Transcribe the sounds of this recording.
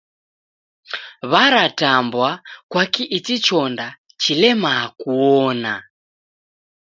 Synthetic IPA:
βaɾatambwakwakiʔitit͡ʃɔnda | t͡ʃilɛmakuɔna

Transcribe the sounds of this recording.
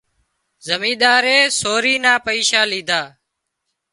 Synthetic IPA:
zəmĩːɗ̪aːɾeːsoːɾiːnaːpəiːʃaːliːd̪ʱaː

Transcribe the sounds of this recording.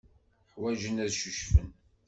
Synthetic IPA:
ħwæʒənæðʃuʃfən

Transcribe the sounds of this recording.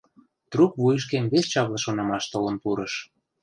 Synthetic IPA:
t̪rukβujəʃ̬kemβeʃt͡ɕɑβlɤ̆ʃonɑmɑʃt̪olɤ̆npuɾɤʃ

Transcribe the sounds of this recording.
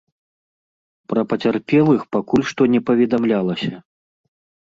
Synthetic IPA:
pɾɐpɐt͡sʲarpʲɛlˠɨxpakulʲʂt̪ɔnʲɛpɐvʲɛd̪amlʲalˠɐsʲɐ

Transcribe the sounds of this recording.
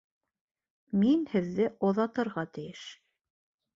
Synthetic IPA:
minhɘ̆ðːɘʔŏðɑt̪ɤ̆ɾʁɑt̪ɘ̆jɘʃ

